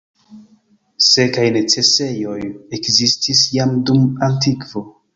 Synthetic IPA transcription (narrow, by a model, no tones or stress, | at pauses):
se̞kajne̞t͡se̞se̞jo̞jekzistʰisjamdumantikvo̞